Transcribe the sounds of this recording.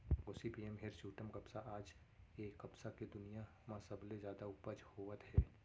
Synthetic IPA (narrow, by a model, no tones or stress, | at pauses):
oːsipiːemɦeɾsuːʈəmkɐpsaʔaːd͡ʒ | eːkːɐpsaked̪ʊnija | mãsɐbled͡ʒjaːd̪aʊpəd͡ʒhoːʋət̪ɦɛː